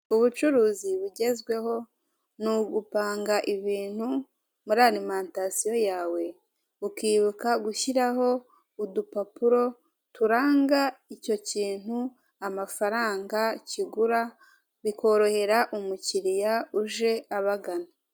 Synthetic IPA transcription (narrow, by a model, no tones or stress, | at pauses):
uβut͡ʃuɾuːziβuɟe̞zɡwe̞ho̞ | nuɡupaːŋɡaʔiβiːn̥hu | muɾaɾimantasijo̞jaːwe̞ | ukiːβukaɡuçiɾaho̞ | udupapuɾo̞ | tuɾaːŋɡaico̞ciːn̥hu | amafaɾaːŋɡaciɡuɾa | βiko̞ɾo̞he̞ɾaʔumuciɾijauʒe̞aβaɡana